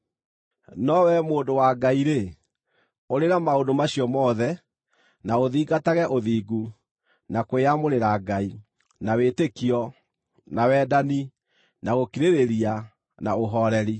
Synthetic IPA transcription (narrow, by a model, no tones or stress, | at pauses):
nɔwɛmoːndowaːɡaiɾe | oɾeɾamaondomaɕiɔmɔːðɛ | naoðiːɡataɣɛʔoðiːɡu | nakoeamoɾeɾaɡai | nawetekiɔ | nawɛːdani | naɣokiɾeɾeɾia | naoɦɔɾɛɾi